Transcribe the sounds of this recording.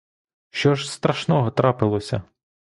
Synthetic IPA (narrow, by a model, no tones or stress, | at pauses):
ʃt͡ʃɔʒst̪ɾɐʃnɔɦɔt̪ɾɑpɪlˠɔsʲɐ̰